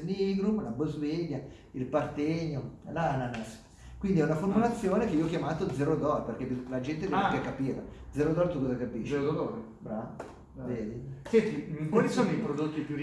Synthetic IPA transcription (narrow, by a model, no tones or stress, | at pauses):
niːɡɾumlabozveʎːa | ilpart̪eɲːolananas | kwind̪iɛunaformulat̪sːjoːnekeiːoɔkjamaːt̪od̪zːɛɾod̪ɔɾperk̟epːilad͡ʒɛnt̪ed̪kekːapiːɾad̪zeɾod̪ɔɾt̪ukozakapiʃʃzeɾod̪ɔɾe | bɾaːvo | veːd̪isɛnt̪ikwalisoːnoipɾod̪ot̪ːipju